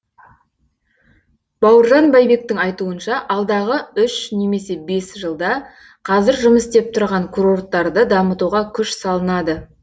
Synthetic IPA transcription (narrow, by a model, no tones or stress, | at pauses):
b̥ɑwəɾʒɑnbɑjbe̞k̚t̪ɪŋɑjt̪uənʃɑʔɑlˠd̪ɑʁəʏʃne̞me̞se̞be̞sʒəlˠd̪ɑ | qʰɑzɪɾʒʊməst̪e̞p̚t̪ʰʊɾʁɑŋkʰuɾo̞rt̪ːɑɾd̪əd̪ɑmət̪uʁɑkʲʰʏʃsɑlˠənɑd̪ə